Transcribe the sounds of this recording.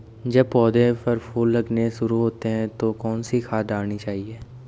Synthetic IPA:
d͡ʒɐbpɔːd̪epɐɾpʰuːlːɐɡneʃʊɾuɦoːt̪eɦɛ̃t̪okɔːnsikʰaːt̪aːɽnit͡ʃaːɦieː

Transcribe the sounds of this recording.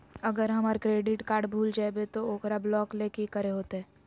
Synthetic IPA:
ɐɡəɾɦɐmaɾkɾeːɖɪʈkaːɾɖbʱuːld͡ʒaebet̪ooːkɾablɔːkleːkekəɾeɦoːt̪eɦɛː

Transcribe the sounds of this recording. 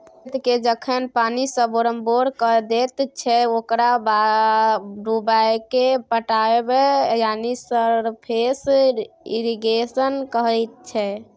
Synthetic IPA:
t̪ked͡ʒəkʰənpanisə̃boɾəmboɾkəd̪et̪t͡ʃʰɛokɾaba | ɾubajkepəʈaebejanisəɾpʰes | iɾiɡesənkəɦət̪̚t͡ʃʰɛ

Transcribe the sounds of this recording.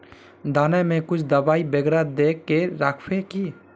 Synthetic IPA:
d̪ʱaːnamẽkʊt͡ʃʰd̪ɐbaːibeɡɾad̪ekːeɾaːkʰpeki

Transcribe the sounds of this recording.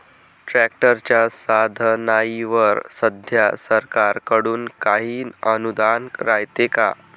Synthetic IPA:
ʈɾæk̚ʈəɾt͡ɕjasad̪ʱənajiʋəɾsəd̪ʱjasəɾkaɾkəɽuːnkaɦiːnənud̪anɾajt̪eka̰

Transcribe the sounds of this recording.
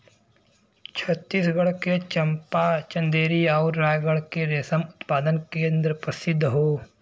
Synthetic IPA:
t͡ʃʰɐt̪ːiːsɡɐɽket͡ʃɐmpat͡ʃɐ̃nd̪eːɾiaːʊɾːaːjɡəɽkeɾeːsəmʊt̪paːd̪ənkeɐ̃nd̪əɾpɾɐsɪd̪ʱːɦoː

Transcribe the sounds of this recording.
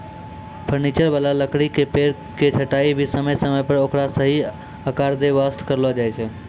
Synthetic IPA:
pʰəɾnit͡ʃəɾbalaləkɽikepeɾ | ket͡ʃʰəʈaibʱisəməjsəməjpəɾokɾasəɦi | əkaɾd̪eʋast̪ʰkəɾlɔd͡ʒajt͡ʃʰɛ

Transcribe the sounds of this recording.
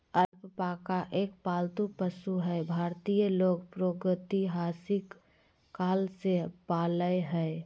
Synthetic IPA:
əɾppakaʔeːk̚paːlt̪upəsuɦɛebʱaːɾt̪ijəloːɡpɾoɡət̪iɦaːsɪkː | aːlsepaːləeɦɛe

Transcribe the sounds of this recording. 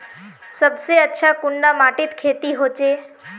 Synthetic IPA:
səbseətːʃʰakʊɳɖamaːʈit̪kʰeːt̪iɦoːt͡ʃeː

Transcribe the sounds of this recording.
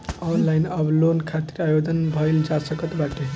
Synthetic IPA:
ɔnlajnʌblonkʰat̪iɾajod̪ʱənbʱʌjld͡ʒasəkət̪baʈe

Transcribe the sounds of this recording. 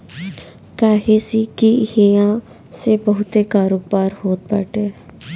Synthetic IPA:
kaːɦesikihijã | sebəɦʊt̪ekaːɾoːɡ̚baːɾhoːt̪̚pə̰ʈeː

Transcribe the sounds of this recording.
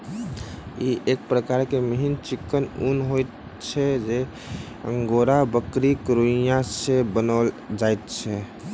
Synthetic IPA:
iʔek̚pɾəkaɾkeməɦint͡ʃikːənunɦojt̪ | t͡ʃʰɛd͡ʒe | ə̰̃ŋɡoɾabəkɾikɾujãsebənəl | d͡ʒajt̪̚t͡ʃʰɛ

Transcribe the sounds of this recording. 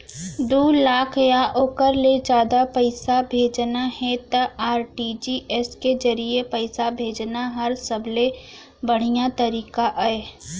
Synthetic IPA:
d̪oːlaːkʰjaʔoːkəɾled͡ʒjaːd̪apəɪsabʱeːd͡ʒnahɛ̃t̪ɐʔaːɾʈid͡ʒiːʔɛsked͡ʒɐɾiepəɪsabʱeːd͡ʒnaɦɐɾsɐbʱle | bəɽ̤ijat̪ɐɾiːkaʔaeː

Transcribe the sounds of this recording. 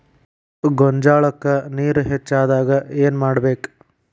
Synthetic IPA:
ɡoɲd͡ʒaːɭɐkːɐniːɾuɦet͡ʃːaːd̪aːɡɐeːnmaːɽbeːk

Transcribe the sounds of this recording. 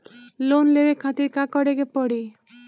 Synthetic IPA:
lonlewekʰat̪iɾkakɔɽekepɔɽi

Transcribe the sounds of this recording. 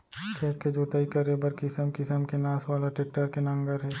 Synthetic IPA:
kʰeːt̪ked͡ʒoːt̪ɐikɐɾebɐɾkɪsəmkɪsəmkenaːsʋaːlaʈeːk̚ʈəɾkenɐ̃ŋɡəɾɦɛː

